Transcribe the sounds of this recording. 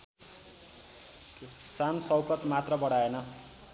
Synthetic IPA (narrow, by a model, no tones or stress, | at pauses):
sansʌwkʌt̪mat̪rʌbʌɽ̤aenʌ